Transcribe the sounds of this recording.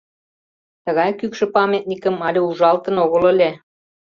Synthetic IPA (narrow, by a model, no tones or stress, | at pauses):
t̪ə̆ɣɑjkykʃə̆pɑmʲet̪̚nʲikə̆mɑlʲeuʒɑlt̪ə̆noɣə̆lə̆lʲe